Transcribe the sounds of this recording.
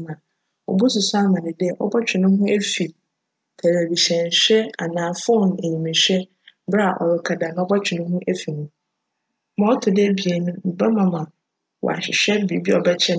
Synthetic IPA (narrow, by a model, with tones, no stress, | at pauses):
mã˨ | ɔ̰˨bu˦sʊ˨sʊ˦a˦mã˨nɪ̃˨dɪ˦ɛ˨ʔɔ̰˦bɔ˦t͡ɕᶣʰɪ˨nʊ̃˦hʊ̃˦e˦fi˨ | tʰæ˨ɾæ˨bi˨ɕɛ̃˨n˨ɕᶣɛ˦a˨nãː˨fo˦˨n˨e˨ɲĩ˨mɪ̃˨ɕᶣɛ˦ | bɾa˦a˨ʔɔ˨ɾɪ˨kʰa˨da˨nã˨˦ɔ˦bɔ˦t͡ɕᶣʰɪ˨nʊ̃˦hũ˦ʔe˦fi˨nũ˦ | mã˦ɔ˦tʰʊ˨dɪ˦bi˨e˨nũ˦m̩˨bɛ˦mã˨mã˨ | wɔ̰˨a̰˨ɕɪ˨ɕᶣɛ˦bi˨bi˦ɔ˨bɛ˦t͡ɕʰɛ˦